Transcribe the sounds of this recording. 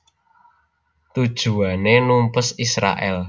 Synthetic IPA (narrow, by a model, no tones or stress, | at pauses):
t̪ud̥ʒ̥ṳanenumpʊsisɾa̰ʔɛl